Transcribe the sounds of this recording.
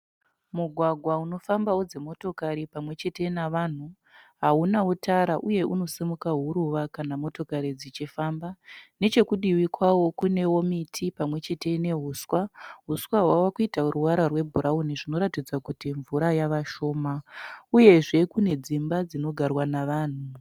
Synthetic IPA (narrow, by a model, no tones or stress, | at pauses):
muɡʱwaɡʱwauno̞fambawod͡ze̞mo̞to̞kaɾipamwe̞t͡ʃe̞te̞naʋan̤u | ɦaunautʰaɾaʔuje̞ʔuno̞semukaɦuɾuʋakanamo̞to̞kaɾid͡zit͡ʃifambane̞t͡ʃe̞kuɗiwikwawo̞kune̞wo̞mitʰipamwe̞t͡ʃe̞te̞ine̞ɦuːswaɦuswaɦwawakuitaruwaɾarwe̞bʱuɾauniʐino̞ɾatid͡zwakutiɱvuɾajaʋaʃo̞ːmauje̞ʐe̞kune̞d͡zimbad͡zino̞ɡʱarwanaʋaːn̤u